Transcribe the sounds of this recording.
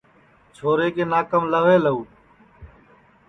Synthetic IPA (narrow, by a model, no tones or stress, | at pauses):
t͡ʃʰoːɾeːkeːnaːkəmləʋeːləuː